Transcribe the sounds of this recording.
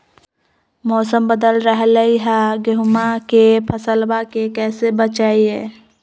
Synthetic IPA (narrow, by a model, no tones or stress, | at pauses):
mɔːsəmbəd̪əlɾəɦləiɦɛɡəɦʊmakepʰəsəlbakekɛːsebət͡ʃaːiɦɛː